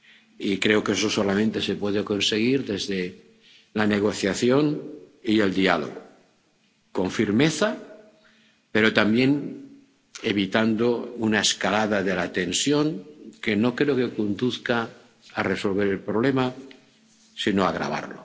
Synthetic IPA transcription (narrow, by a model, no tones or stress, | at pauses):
ikɾe̞okesoso̞lamẽnt̪e̞se̞pwe̞ðeko̞nse̞ɣ̞iɾðe̞zðe̞ | lane̞ɣ̞o̞θjaθjo̞nie̞ld̪ia̰lo̞̰ɣo | ko̞ɱfiɾme̞θa | pe̞ɾo̞t̪ambje̞n | e̞βit̪and̪ounaeskalaðaðe̞lat̪e̞nsjo̞ŋke̞no̞kɾe̞oke̞kond̪uθkaː | re̞so̞lβ̞e̞ɾelpɾo̞β̞le̞ma | sino̞aɣɾa̰β̞a̰ɾlo̞